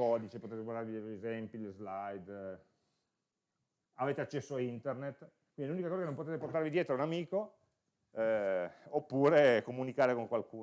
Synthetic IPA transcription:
ɔːd̪it͡ʃepot̪eːt̪ekward̪aɾeviɛt̪ɾezɛmpilzlajd̪ | aveːt̪eat͡ʃːɛsːoaint̪ernet̪ː | kwind̪ilunikakɔːzakenõmpot̪eːt̪eport̪aɾvid̪jeːt̪ɾounamiːko | ɛopːuːɾekomunikaːɾekoŋkwalkuː

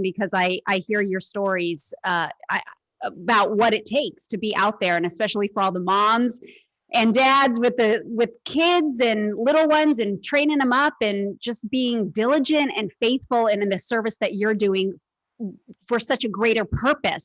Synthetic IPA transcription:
bɨkʰʌzaɪʔaɪhiɹjə˞stɔɹizʌa̰ɪ | əbaʊt̚wʌɾɨtʰeɪkstʰɨbiʔa̰ʊt̪̚ðə˞ɨ̃nɨspɛʃl̩ˠifə˞ɔlˠðəmɑ̃mz | ʔɨ̃ndædzwɨðɨwɪð̥kʰɪdzɨ̃nlɪɾl̩ˠwʌ̃nzɨ̃ntʰɹ̥ẽɪ̃nɪ̃ŋðə̃mʌpɨ̃nd͡ʒʌsb̥iɪ̃ŋdɪlˠɨd͡ʒɨ̃ntɨ̰̃nfeɪθfl̩ˠɨ̃ñnðɨsɜ˞vɨsðɨt͡ʃə˞dʉɪ̃ŋ | fə˞sʌt͡ʃɨɡɹeɪɾə˞pʰɜ˞pɨ̰s

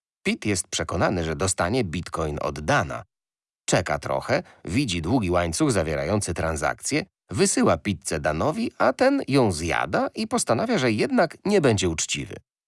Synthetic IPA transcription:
pʲit̪jɛst̪̚pʂɛkɔnanɘʐɛd̪ɔst̪aɲɛbʲit̪kɔjnɔ̰d̪ːana̰ | t͡ʂɛka̰t̪ɾɔ̰xɛ | vʲid͡ʑid̪wuɡʲiwaɲt̪suɣzavʲjɛɾa̰jɔnt̪sɘt̪ɾanza̰k̚t̪sʲjɛ | vɘsɘwapʲit̪̚sɛd̪anɔvʲiʔat̪ɛnjɔ̃w̃zja̰d̪aʔipɔst̪anavʲjaʐɛjɛd̪nakɲɛbɛɲd͡ʑɛut͡ʂt͡ɕḭvɘ̰

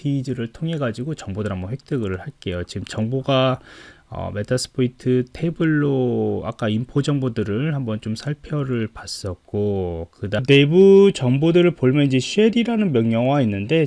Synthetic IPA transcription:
pʰiːd͡ʑɯɾɯɭtʰoŋɦe̞ɡad͡ʑiɡot͡ɕʌŋbodɯɾɦambʌɸwek̚t͈ɯɡɯɭhaɭk͈e̞jot͡ɕiɡɯmt͡ɕʌŋboɡa | ʌ̰medʰasʰɯ̥pʰoitʰɯtʰe̞buɭːoa̰k͈aimpʰod͡ʑʌŋbodɯɾɯɭhambʌnt͡ɕomsʰaɭpʰjʌɾɯɭpas͈ʌk̚k͈okɯdane̞but͡ɕʌŋbodɯɾɯɭpoɭmjʌniɲd͡ʑe̞ɕʰieɾiɾanɯnmjʌŋɲjʌŋwainːɯnde̞

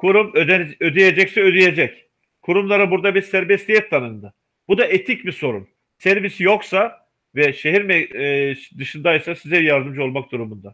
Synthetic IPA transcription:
kʰuɾumøød̪ijed͡ʒɛcsɛød̪ije̞d͡ʒɛc | kʰuɾumlˠaɾabuɾd̪abiɾsæɾbɛst̪ijɛt̪ʰːanɯnd̪ɯ | bud̪aʔet̪ʰicbiso̞ɾṵm | sæɾvisjo̞ksa | vɛʃe̞ɦiɾmɛ | d̪ɯʃɯnd̪ajsasizɛjaɾd̪ɯmd͡ʒo̞lˠmak̚d̪̥uɾumund̪a

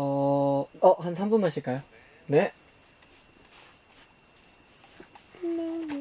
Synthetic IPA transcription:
ʌ | ʌhansʰambunmaɕʰiɭk͈ajo | ne̞

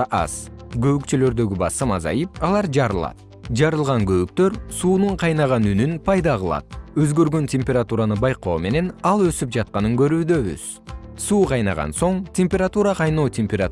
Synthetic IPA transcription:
ɑ̰z̥ɡø̞βykt͡ʃølø̞ɾd̪ø̞ɡʲybɑsɯmɑzɑ̰jɯpɑlˠɑɾd͡ʒɑɾɯlˠɑ̰t̪̚ | d͡ʒɑɾɯlˠʁɑŋɡø̞βyk̚t̪ø̞ɾsuːnuɴqʰɑjnɑʁɑnynynpʰɑjd̪ɑʁɯlˠɑ̰t̪̚øzɡø̞ɾɡøntʲemʲpʲe̞ɾat̪uɾanɯbɑjqo̞ːme̞ne̞nɑlˠø̞syp̚d͡ʒɑt̪̚qɑnɯŋɡø̞ɾyːd̪ø̞βy̰z̥ | suːqʰɑjnɑʁɑ̰nso̞ɴtʲʰemʲpʲe̞ɾat̪uɾɑqʰɑjno̞ːt̪ʲemʲpʲeɾa

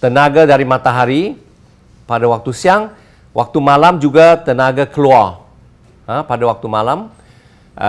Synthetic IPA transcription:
t̪ənaɡadaɾimat̪aɦaɾi | padawak̚t̪usiaŋ | wak̚t̪umalamd͡ʒuɡat̪ənaɡakəluar | əpadawak̚t̪umalam

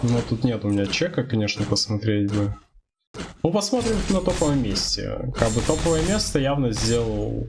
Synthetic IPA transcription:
nut̪ut̪nʲet̪ʊmʲɪnʲat͡ɕekəkɐnʲeʂnəpəsmɐt̪ɾʲetʲbɨ | nupɐsmot̪ɾʲɪmnɐt̪opəvəmʲesʲtʲɪ̰kaɡ̚bɨt̪opəvəjəmʲe̞st̪əjavnəzʲdʲe̞lˠəlˠ

